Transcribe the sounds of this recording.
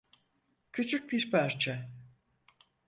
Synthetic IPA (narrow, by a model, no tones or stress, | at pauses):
cʰyt͡ʃʰyc̚biɾpʰæɾt͡ʃʰɛ